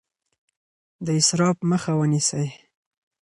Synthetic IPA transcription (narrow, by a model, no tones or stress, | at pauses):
d̪əɪsɾɑpməxawənisəj